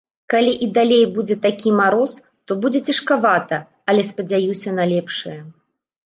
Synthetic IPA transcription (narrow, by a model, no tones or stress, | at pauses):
kalʲiʔid̪alʲejbud͡zʲɛt̪akʲimaɾɔs | t̪ɔbud͡zʲɛt͡sʲɐʂkavat̪ɐ | ɐlʲɛspɐd͡zʲajusʲɐnɐlʲɛpʂɨjɐ